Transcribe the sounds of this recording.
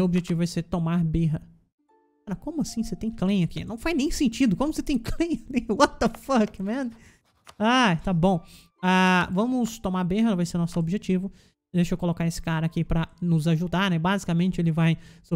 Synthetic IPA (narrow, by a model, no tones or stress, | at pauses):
ewobiʒet͡ʃivʊɛset̪omaɾbeɦɐ | aɾɐkõmʊasĩset̪ẽj̃klẽj̃ɐkḭnɐ̃w̃fajnẽj̃sẽt͡ʃid̪ʊkõmʊset̪ẽj̃klẽj̃nẽj̃ʊwat̪ɐfɐkɪmẽnʊ | at̪abõw̃ | avɐ̃mʊst̪omaɾbeɦɐvajseɾnɔsʊobiʒet͡ʃivʊ | d̪eʃʊoewkolokaɾesɪ̥kaɾɐːkipɾɐnʊzaʒud̪aɾnɛbazikɐmẽnt͡ʃɪelɪvajs